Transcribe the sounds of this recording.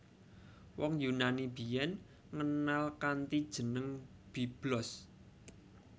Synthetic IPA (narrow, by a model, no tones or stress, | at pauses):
wɔŋjunanibi̤jɛn | ŋənalkant̪id̥ʒ̥ə̤nəŋ | b̥i̤b̥lɔs